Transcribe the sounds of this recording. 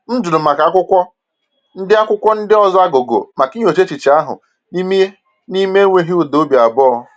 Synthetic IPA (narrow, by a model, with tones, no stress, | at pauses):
n̩˦d͡ʒu˨ɾʊ˨ma˨ka˨˦kʷʊ˦kʷɔ˦ | n̩˦dɪ˦a˦kʷʊ˦kʷɔ˦n̩˦dɪ˦ɔ˦˨zɔ˦a˦ɡo˨ɡo̰˨ma˨ki˦ɲ˦o˨t͡ʃe˦t͡ʃi˨t͡ʃi˨a˦ɦʊ̰˨ | ni˦mi˦ | ni˦me˦ŋʷe˦ɦi˦u˨do˦bja˨bɔ˦